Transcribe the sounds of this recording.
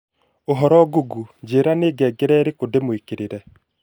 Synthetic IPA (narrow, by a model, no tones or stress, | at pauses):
oɦɔɾɔɡuɡud͡ʒeːɾaneːɡɛːɡeɾɛɾekodemwekeɾeɾɛ